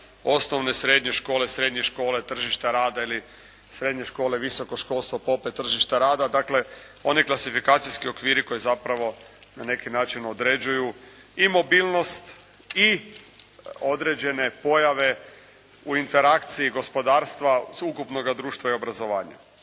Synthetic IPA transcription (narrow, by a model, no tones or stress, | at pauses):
o̞sno̞ʋne̞sɾe̞d̪ɲeʃko̞ːlesɾe̞d̪ɲeʃko̞ːle̞t̪r̩ʒiʃt̪aɾaːd̪aili | sɾe̞d̪ɲe̞ʃko̞ːle̞ʋiso̞ko̞ʃko̞lˠst̪ʋo̞po̞pet̪r̩ʒiʃt̪aɾaːd̪ad̪akle̞ | o̞niklˠasifikaːt̪sijskio̞kʋiːɾiko̞jezapɾaʋo̞nane̞kinaːt͡ʃino̞d̪ɾe̞d͡ʑuju | imo̞biːlno̞st̪ | i | o̞d̪ɾe̞d͡ʑene̞po̞jaʋe̞ | uint̪e̞ɾakt̪siiɡo̞spo̞d̪aːɾst̪ʋaukupno̞ɡad̪ɾuːʃt̪ʋaio̞bɾazo̞ʋaːɲa̰